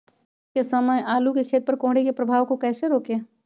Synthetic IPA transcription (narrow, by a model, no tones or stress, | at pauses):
kesɐməjʔaːlukekʰeːt̪̚pəɾkõːɽ̤ekepɾɐbʱaːʋkokɛːseɾoːkeː